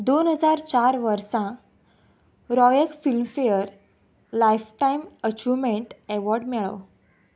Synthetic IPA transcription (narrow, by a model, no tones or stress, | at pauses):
d̪onɦəd͡zaɾt͡ɕaɾʋəɾsã | ɾɔjəkfilmfejəɾ | lajfʈaimət͡ɕumeɳʈɛʋɔɾɖmɛɭə̰w